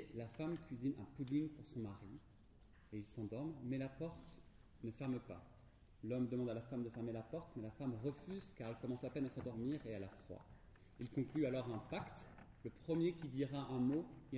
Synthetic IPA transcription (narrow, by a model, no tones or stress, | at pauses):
lafamkʲɥizinɛ̰̃pud̪iŋpuʁsɔ̃maʁi | eilsɑ̃d̪ɔʁmːɛlapɔʁt̪ | nəfɛʁmpa̰ | lɔmd̪əmɑ̃d̪alafamd̪əfɛʁmelapɔʁt̪mɛlafamʁəfyzkaʁɛlkɔmɑ̃sapɛnasɑ̃d̪ɔʁmiʁealafχwa̰ | ilkɔ̃klyalɔʁɛ̃pakt̪ | ləpχəmjekʲid̪iʁaʔɛ̃moi